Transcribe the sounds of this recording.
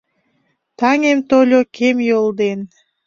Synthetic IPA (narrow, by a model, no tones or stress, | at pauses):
t̪ɑŋemt̪olʲokʰemjolˠd̪en